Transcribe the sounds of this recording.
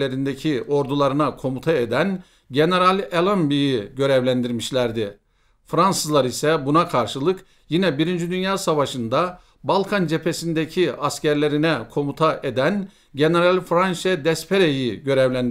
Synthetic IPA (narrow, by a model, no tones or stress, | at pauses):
eɾind̪ecʰiʔo̞ɾd̪ulˠaɾɯnakʰo̞mut̪ʰaed̪æn | ɟe̞ne̞ɾalʲelˠambijiɟø̞ɾɛvlʲænd̪iɾmiʃlʲæɾd̪ɪ | fɾansɯzlˠaɾisɛbunakʰaɾʃɯlˠɯk | jinɛbiɾind͡ʒid̪ynjaːsavaʃɯnd̪a | balˠkʰand͡ʒe̞pʰe̞sind̪ecʰiascæɾlʲe̞ɾinɛkʰo̞mut̪ʰaʔed̪æn | ɟe̞ne̞ɾalʲfɾanʃɛd̪ɛspʰeɾejiɟø̞ɾɛvlʲænd̪